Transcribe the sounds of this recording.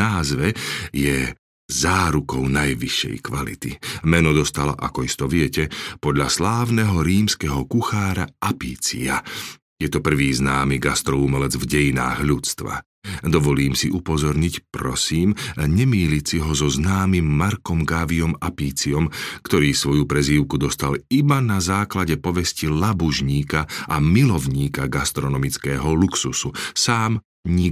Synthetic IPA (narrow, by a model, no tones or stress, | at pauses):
aːzʋɛjɛ | zaːɾukɔʊnajʋiʃːɛ̰jkʋalḭt̪imɛnɔd̪ɔst̪ala̰ʔa̰kɔist̪ɔʋɪɛcɛpɔd̪ʎaslaːʋnɛɦɔɾiːmskɛɦɔkuxaːɾaʔapiːt͡sḭa | jɛt̪ɔpr̩ʋiːznaːmiɡast̪ɾɔumɛlɛd͡zvɟɛjina̰ːɣʎut͡st̪ʋa̰ | d̪ɔʋɔʎiːmsiʔupɔzɔɾɲicpɾɔsiːmɲɛmiːlicsiɦɔzɔznaːmimːaɾkɔmɡaʋiɔmapiːt͡siɔmkt̪ɔɾiːsʋɔjupɾɛziːʊkud̪ɔst̪alibanazaːklaɟɛpɔʋɛscilabuʒɲiːkaʔamilɔʊɲiːkaɡast̪ɾɔnɔmit͡skɛːɦɔluksususaːm | ɲi